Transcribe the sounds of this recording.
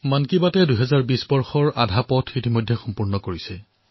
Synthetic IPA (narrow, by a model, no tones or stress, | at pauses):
mankibatɛdujɦɛzaɹbisbɔɹxɔɹadʱapɔtʰitimojdʱːɛxɔmpuɹnɔkoɹisɛ